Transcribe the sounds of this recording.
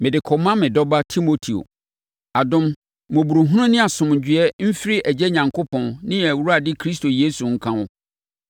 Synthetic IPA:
mɪ̃˨dɪ˨kʰɔ˨mã˦mɪ̃˨dɔ˦ba˦tʰi˦mo˨tʰi˨o̰˨ | a˨dʊ̃˦mː | ʊ̃˨bu˨ɾu˨ɦũ˦nʊ̃˦nɪ̃˦a˨sʊ̃˨mɲ̩˨d͡ʑɥɛ˦m̩˦fɾɪ˦ʔæ˨d͡ʑɛ˦ɲã˨ŋkʰo˦pʰɔ̃˨nnɪ̃˦ɛ˨wu˦ɾa˨dɪ˦kʰɾi˦s̬tʰo˨jeː˦su˨ŋ̩˦kʰã˦ʊ˦

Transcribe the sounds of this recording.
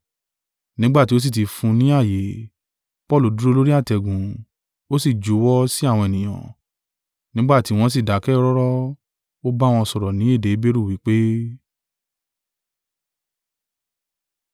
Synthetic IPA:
nĩ˦ɡ͡ba˦ti˦o˦s̬i˦˨ti˧fũ˧nĩ˨˦a˦˨je˨˦ | pɔ˦˨lu˨˦du˦ɾo˦˧lo˦ɾi˦a˦˨tɛ˧ɡũ˨ | o˦si˦˨d͡ʒu˨˦wɔ˦si˦a˦˨w̃ɔ̃˧e˨nĩ˨j̃ã̰˨ | nĩ˦ɡ͡ba˦˨ti˨˦w̃ɔ̃˧s̬i˦˨da˨˦kɛ˦ɔ˦ɾɔ˦ɾɔ˦ | o˦ba˦w̃ɔ̃˧sɔ˧ɾɔ˨nĩ˨˦e˦˨de˨˦be˦ɾu˦˨wi˨˦k͡pe˦

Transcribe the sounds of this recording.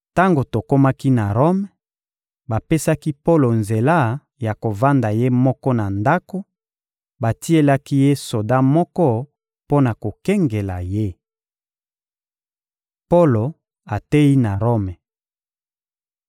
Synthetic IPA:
ta˦ŋɡo˨to˨ko˦ma˦ki˦na˨ʁo˦mɛ˨ | ba˨pe˦sa˦ki˦po˦lo˨nze˨la˦ | ja˨ko˨va˦nda˨je˦mɔ˦kɔ˦na˨nda˦ko˦ | ba˨ti˦e˦la˦ki˦je˦so˨da˦mɔ˦kɔ˦ | po˦na˨ko˨kɛ˦ŋɡe˨la̰˨je˦ | po˦lo˨ | a˨te˦ji˦na˨ʁo˦mɛ˨

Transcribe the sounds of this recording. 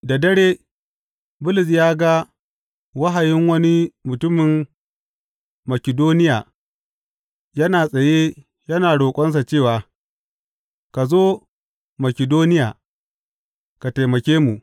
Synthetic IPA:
da˨dɐ˦ɽeː˦ | bʊ˦lɪ˨s̬jaː˦ɡa˦ | wɐ˦ɦa˨jɪ˦ŋwɐ˦ni˦mʊ˨tʊ˦mɪ˨m | mɐ˨kʲɪ˨doː˦nɪ˦jaː˨ | jɐ˦naː˨sʼɐ˨je˦ | jɐ˦naː˨ɽoː˨kʷʼɔ˦ns̬a˨t͡ʃeː˦˨waː˨ | ka˨zoː˦ | mɐ˨kʲɪ˨doː˦nɪ˦jaː˨ | ka˨ta˨jmɐ˨kʲeː˦mu˨ʔ

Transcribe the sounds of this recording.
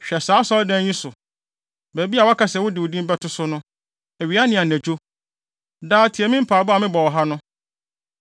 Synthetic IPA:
ɕᶣɛ˨saː˨˦sɔ˦ldɛ̃˦ɲĩ˦sʊ˨ | bæ˨bi˦a˨wa˦kʰa˦˨sɛ˨wʊ˦dɪ˨wʊ˨dĩ˦m˦bɛ˦tʰʊ˦sʊ˦nʊ̃˦ | ɛ˨ɥi˨a˦nɪ̃˨a˨næ̃˨d͡ʑᶣo˦ | daː˦tʰi˨ɛ˨mĩ˦m̩˦pʰaː˨bʊ˦a˨mɪ̃˦bɔ˨wɔ˨ɦa˦nʊ̃˦

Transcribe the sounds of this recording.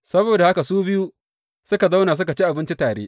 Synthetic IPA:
sɐ˦boː˨da˨ha˦ka˨suː˦bɪ˦ju˦ | sʊ˦ka˨za˦wnaː˨s̬ʊ˦ka˨t͡ʃi˦ʔa˨bɪ˦nt͡ʃi˦taː˨ɽḛː˦

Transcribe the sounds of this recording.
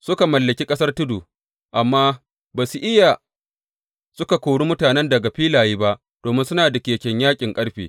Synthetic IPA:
sʊ˦ka˨mɐ˨lːɐ˨kʲi˦kʼɐ˦sɐ˦rtʊ˦duː˨ | ʔa˨mːaː˦ | baː˨su˨ʔɪ˦ja˨ | sʊ˦ka˨kʷoː˨ɽu˦mʊ˦taː˨nɛ˦ndɐ˨ɡa˨ɸiː˦laː˨jiː˦ba˦ʔ | d̥oː˨mɪ˦nsʊ˦naː˨da˨kʲeː˨kʲɛ˨ɲjaː˦kʲʼɪ˨ŋkʼɐ˦ɽɸḛː˨

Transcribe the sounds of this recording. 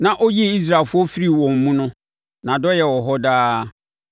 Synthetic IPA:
nã˨ʔɔ˦ji˦˨i˦s̬ɾa˨fʊ˦ɔ˦fi˦ɾi˦˨wɔ̃˨m̩˨mũ˦nʊ̃˦ | nã˨dɔ˦jɛ˨wɔ˨ɦɔ˦daː˦

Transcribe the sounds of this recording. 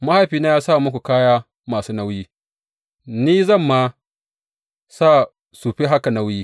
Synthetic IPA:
ma˦ha˦jɸiː˨na˦jaː˦saː˦˨mʊ˦kʷu˨kaː˦jaː˦ | maː˨suː˦na˦wjiː˦ | niː˦zɐ˦˨mːa˦ | saː˦˨ | suː˨ɸe˦ɦa˦ka˨na˦wjiː˦

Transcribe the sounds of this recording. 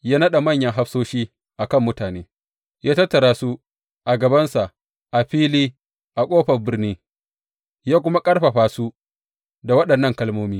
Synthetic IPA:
jaː˦nɐ˦ɗa˨mɐ˦˨ɲjɐ˦ŋɦa˦ɸsoː˦ʃiː˦ | ʔa˨kɐ˦˨mːʊ˦taː˨neː˦ | jaː˦tɐ˦tːɐ˨ɾaː˦su˦ | ʔa˨ɡɐ˨bɐ˦nsa˨ʔ | ʔa˨ɸiː˦liː˦ | ʔa˨kʷʼoː˦ɸɐ˨bɪ˦rniː˦ | jaː˦kʷʊ˦ma˦kʼɐ˦ɽɸɐ˨ɸaː˦su˦ | da˨wɐ˦ɗɐ˨nːɐ˦ŋkɐ˦lmoː˦miː˦

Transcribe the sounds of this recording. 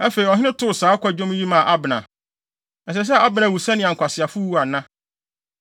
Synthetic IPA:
a˦fe˨ɾi˨ɔ˨ɦɪ̃˦nɪ̃˦tʰʊ˦˨ʊ˨saː˦kʷʰa˦˨d͡ʑᶣɔ̃˦m˦ji˦mã˨ʔa˦bɪ˨nã̰˨ | ɛ˨s̬ɛ˨s̬ɛ˦a˦bɪ˨nã˨wu˨sa˦nɪ̃˨a˨ŋ˨kʷa˨sɪ˨a˨fʊ˦wu˦a˨nã˦

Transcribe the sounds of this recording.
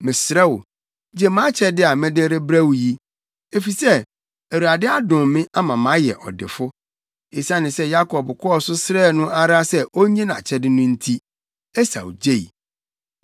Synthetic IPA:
mɪ̃˨sɾɛ˦wʊ˨ | d͡ʑe˦mã˦t͡ɕʰɛ˦dɪ˦a˨mɛ̃˦de˦ɾe˦bɾa˦wji˦ | e˦fi˨sɛ˦ | æ˨wu˨a˨dɪ˦a˦dʊ̃˨mmɪ̃˦ʔa˦mã˨mã˨˦jɛ̰˨ʔɔ̰˨dɪ̰˨fʊ˦ | e˨sã˦nɪ̃˨sɛ˦ja˦kʰɔ˨bkʰɔ˦ɔ˨sʊ˦sɾɛː˦˨nʊ̃˦a˦ɾa˦sɛ˦ʔo˦ɲɛ̃˦nã˨t͡ɕʰɛ˦dɪ˦nʊ̃˦n̩˦tʰi˦ | ɛ˦sa̰˨wd͡ʑe˦i˨

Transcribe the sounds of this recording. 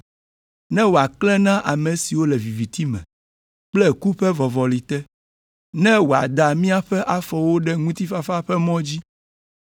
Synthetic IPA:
nɛ̃˦wo˨a˨klɛ˦nã˦ʔa˨me˨si˨wo˦lɛ˨vi˨vi˨t̪i˦mɛ̰̃˨ | k͡plɛ˦ku˦ɸɛ˦vɔ˨vɔ˨li˨t̪ɛ˦ | nɛ̃˦wo˨a̰˨d̪a˨mĩ˦a˦ɸɛ˦ʔa˦fɔ˨wo˦ɖɛ˦ŋũ˦t̪i˦fa˦fa˦ɸɛ˦mɔ̃˦d͡ʑi˦

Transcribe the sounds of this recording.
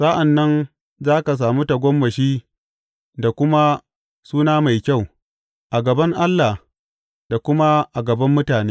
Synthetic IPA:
saː˦ʔa˨nːɐ˦n | zaː˦ka˨s̬aː˨muː˦ta˨ɡʷɔ˦mːɐ˨ʃiː˦ | da˨kʷʊ˦ma˦ | suː˦naː˦ma˨jkʲa˦˨w | ʔa˨ɡɐ˨bɐ˦ŋʔa˦lːa˨h | da˨kʷʊ˦ma˦ʔa˨ɡɐ˨bɐ˦mːʊ˦taː˨neː˦

